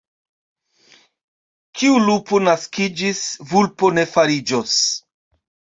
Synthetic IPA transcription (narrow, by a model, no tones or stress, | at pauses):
kiulupo̞naskid͡ʒisvulpo̞ne̞faɾid͡ʒo̞s